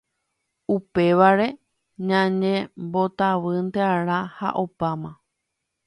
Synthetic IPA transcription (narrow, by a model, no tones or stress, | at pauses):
upe̞ʋaɾe̞ | ɲãnẽmbo̞t̪aʋɨnt̪eaɾ̃ãha̰ʔo̞pamã